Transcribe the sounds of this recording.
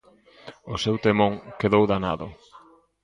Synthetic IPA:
ʊsewt̪emõŋkeðowðana̰ðʊ̰

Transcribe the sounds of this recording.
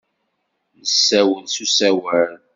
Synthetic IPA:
nəsːæwəlsusæwæl

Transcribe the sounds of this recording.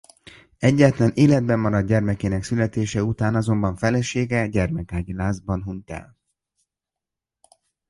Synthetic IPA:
ɛɟːaːt̪lɛneːlɛd̪̚bɛmːɒɾɒd̪̚ɟɛrmɛkeːnɛksylɛt̪eːʃɛut̪aːnɒzo̞mbɒɱfɛlɛʃeːɡɛɟɛrmɛkaːɟilaːzbɒnɦunt̪ɛ̰l

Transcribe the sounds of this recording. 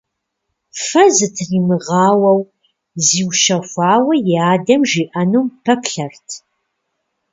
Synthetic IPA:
fɐzɨtʰriːmɨʁɑːwɐw | ziːwʃɐxʷɑːwɐjaːdɐmʒiːʔɐnumpʰɐpɬɐrtʰ

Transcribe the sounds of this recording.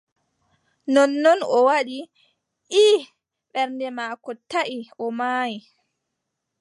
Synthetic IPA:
nɔnːɔnɔwaɗi | ʔi | ɓɛɾndɛmaːkɔtaʔiʔɔmaːji

